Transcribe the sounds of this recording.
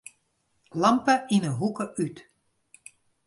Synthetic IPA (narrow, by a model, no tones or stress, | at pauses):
lɑmpəinəɦukəʔyt